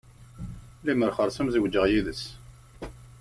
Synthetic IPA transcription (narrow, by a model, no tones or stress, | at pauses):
liməɾχəɾˤsəmzəɡd͡ʒːəʁjiðəs